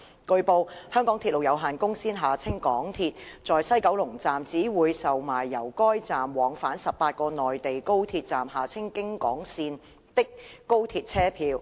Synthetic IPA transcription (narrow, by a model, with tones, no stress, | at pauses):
kɵ˧ɥpo˧whœː˥ŋkɔː˨˥ŋt̪i˧t̚lo˨wjɐ˨˧wɦaː˨nkʊ˥ŋsiː˥nɦaː˨˩t͡sʰɪ˥ŋkɔː˨˥ŋt̪ʰiː˧t̚t͡sɔː˨˩jsɐ˥jkɐ˨˥wlʊ˨˩ŋt͡saː˨mt͡siː˨˥wuː˨˧jsɐ˨wmaː˨˩jːɐ˨˩wkɔː˥jt͡saː˨mwɔː˨˧ŋfaː˨˥nsɐ˨p̚paː˧t̚kɔː˧nɔː˨jt̪e˨jko˥wt̪ʰiː˧t̚t͡saː˨mɦaː˨˩t͡sʰɪ˥ŋkɪ˥ŋkɔ̰ː˨˥ŋsiː˧n | t̪ɪ˥k̚kːo˥wt̪ʰiː˧t̚t͡sʰɛː˥pʰiː˧w